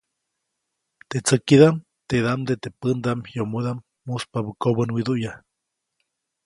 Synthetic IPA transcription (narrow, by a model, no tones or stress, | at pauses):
t̪et͡səkid̪am | t̪ed̪amd̪et̪epənd̪amjomud̪amːuspaβəkoβənwid̪uʔja